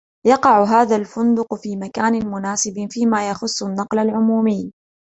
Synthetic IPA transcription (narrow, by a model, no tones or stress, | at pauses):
jɑqɑʕʊɦaːðalfʊnd̪ʊqfiːmakaːnɪmʊnaːsɪbfiːmaːjaxʊsˤːʊnːɑqlalʕʊmuːmɪjː